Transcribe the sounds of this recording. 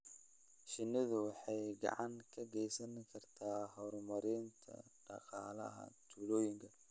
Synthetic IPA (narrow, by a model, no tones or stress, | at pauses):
ʃɪnːɪðʊwɑħɑjɡɑ̰ʕɑŋkʰɐɡɛjsɐnkʰɐrt̪ʰaːɦɔɾmɐɾɪnt̪ʰɐ̰ɖ̥ɑ̰qʼɑːlɐ̰ɦɐ̰t̪ʰuːlɔːjɪŋkʰɐ